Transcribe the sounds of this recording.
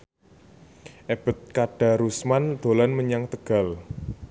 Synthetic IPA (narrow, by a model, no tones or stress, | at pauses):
ʔeb̥ə̤t̪̚kaɖ̥a̤ɾusmand̪̥o̤lanməɲaŋt̪əɡ̥a̤l